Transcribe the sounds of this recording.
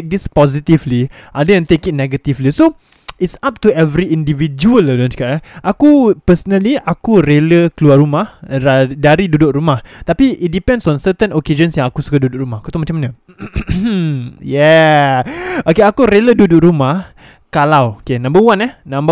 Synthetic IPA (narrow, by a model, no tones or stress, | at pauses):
k̚dispɔzit̪ivliʔadəjãŋt̪ekit̚nɛɡət̪ivliso | itsap̚tuɛvɾiindivid͡ʒuəladonskaʔɛʔakupəsənaliakuɾeləkəluarumahadaɾidudʊk̚ɾumaht̪apiʔit̪̚dipɛ̃ndsɔ̃nsət̪ənoked͡ʒə̃nsjãŋakusu̥kadudʊk̚rumahakut̪umat͡ʃamːanə̃ | jɛ | okeakuɾelədudʊk̚ɾumah | kalawokenãmbəwanɛhnãmbə